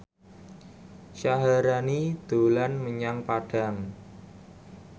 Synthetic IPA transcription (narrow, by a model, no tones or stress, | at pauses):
ʃaɦaɾanid̪̥o̤lanməɲaŋpaɖ̥a̤ŋ